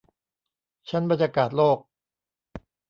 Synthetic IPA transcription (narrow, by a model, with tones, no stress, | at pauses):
t͡ɕʰa˦˥nba˨˧nja˧kaː˨˩t̪̚loː˥˩k̚